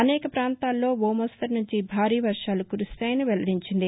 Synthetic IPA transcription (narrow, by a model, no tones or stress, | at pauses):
ɐnɛːkɐpɾaːnt̪aːlːo̞ːʋoːmɐst̪ɐɾnuɲt͡ʃibʱaːɾiːʋɐɾʂaːlukuɾust̪aːjɐnɐʋɛlɐɽiɲt͡ʃind̪i